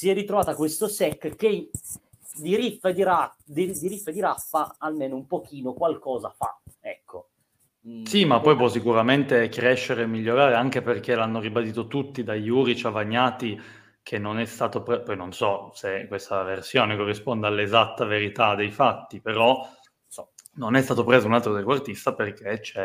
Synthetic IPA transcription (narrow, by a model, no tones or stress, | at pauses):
siɛrːit̪ɾovaːt̪akwest̪osɛkːkːe | d̪iɾifːed̪iɾad̪id̪iɾifːed̪iɾafːaalmeːnoumpok̟iːnokwalkɔːzafa̰ɛkːo | simapːɔjpwɔsːikuɾament̪ekɾɛʃːeɾeːmːiʎːoɾaːɾeaŋk̟eperk̟elanːoɾibad̪iːt̪ot̪ut̪ːid̪ajuːɾit͡ʃavaɲːaːt̪i | kʰenːonɛst̪aːt̪opɾepɔjnonsɔsekːwest̪aversjoːnekorːispond̪ealːezat̪ːaveɾit̪ad̪ejfat̪ːipeɾɔ | ɔnonɛst̪aːt̪opɾeːzounalt̪ɾod̪ɛkoart̪ist̪aperk̟ʰet͡ʃɛ